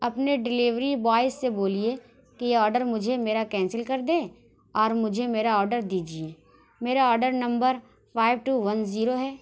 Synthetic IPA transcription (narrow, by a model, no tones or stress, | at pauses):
ɐpneɖɪliʋɾibɔːɪsːeboːlie | kejeɔːɾɖəɾmʊd͡ʒʱemeːɾakɛ̃ːnsəlkɐɾd̪ẽː | ɔːɾmʊd͡ʒʱemeːɾaɔːɾɖəɾd̪iːd͡ʒieː | meːɾaɔːɾɖəɾnɐ̃mbəɾ | pʰaːɪʋʈuːʋɐnziːɾoɦɛː